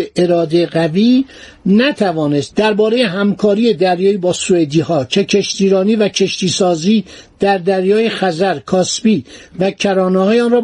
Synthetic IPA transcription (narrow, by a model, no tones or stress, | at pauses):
eeɾɒːd̪eɣæviː | næt̪ʰævɒːne̞st̪̚d̪æɾbɒːɾe̞jeɦæmkʰɒːɾije̞d̪æɾjɒːibɒːsued̪iːhɒːcʰe̞cʰe̞ʃt̪iːɾɒːniːvæcʰe̞ʃt̪iːsɒːziːd̪̥æɾd̪æɾjɒːjexæzæɾkʰɒːsbiːvæcʰæɾɒːnehɒːjeɒːnrɒː